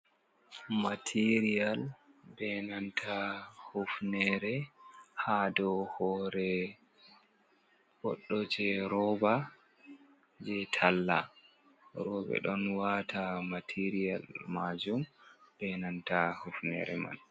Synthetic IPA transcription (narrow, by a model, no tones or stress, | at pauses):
matʰiɾijalbɛnantʰahufnɛɾɛhadɔhɔɾɛ | bɔɗːɔt͡ʃɛɾɔba | d͡ʒɛtʰalːa | ɾɔbɛ̰ɗɔnwatʰamatʰiɾija̰lmad͡ʒumb̥ɛnantahufnɛ̰ɾɛ̰ma̰n